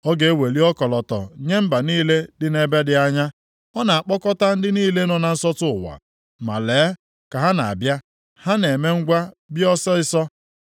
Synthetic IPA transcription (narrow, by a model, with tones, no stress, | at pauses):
ɔ˦ɡe˨˦e˦we˨li˦ɔ˦kɔ˨lɔ˨tɔ̰˨ɲe˦m̩˦ba˨niː˦le˦dɪ˦ne˦be˦dɪ˦a˦ɲa˦ | ɔ˦na˨a˨k͡pɔ˦kɔ˦ta˦n̩˦dɪ˦niː˦le˦nɔ˨na˨n̩˦sɔ˦tʊ˦ʊ˨wa̰˨ | ma̰˨leː˨˦ | ka˨ɦa˦na˨a̰˨bja˦ | ha˦ne˨me˦ŋ̩˦ɡʷa˦bjɔ˦sɔ˦ɪ˦sɔ˦